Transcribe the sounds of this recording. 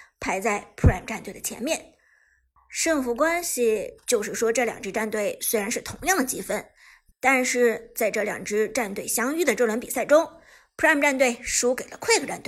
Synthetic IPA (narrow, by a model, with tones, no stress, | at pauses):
pʰa˧˥ɪt͡sa˥˩ɪpʰu˥˩mʈ͡ʂa˥˧nt̪we˥˩ɪdə˩t͡ɕʰjɛ̰˧˥nmjɛ˥˩n | ʂɤ˥˩ŋfu˧˥kwa˥nɕi˨˩t͡ɕjo˥˧ʊʂɻ̩˥˩ʂwɔ˥ʈ͡ʂɤ˥˩ljɑ̰˨˩ŋʈ͡ʂɻ̩˥ʈ͡ʂa˥˧nt̪we˥˩ɪswe˥ɪɻa˧˥nʂɻ̩˥˩t̪ʰʊ˧˥ŋjɑ˥˩ŋd̪ə˩t͡ɕi˧˥fə˥n | t̪a˥˧nʂɻ̩˥˧t͡sa˥˧ɪʈ͡ʂɤ˥˩ljɑ̰˨˩ŋʈ͡ʂɻ̩˥ʈ͡ʂa˥˧nt̪we˥˩ɪɕjɑ˥ŋy˥˩d̪ə˩ʈ͡ʂɤ˥˩lwɛ˧˥npi˨˩sa˥˩ɪʈ͡ʂʊ˥ŋ | pʰu˥a˥˩mʈ͡ʂa˥˧nt̪we˥˩ɪʂu˧˥ke˨˩lə˦kʰwe˥˩ɪɡə˨˩ʈ͡ʂa˥˩nt̪w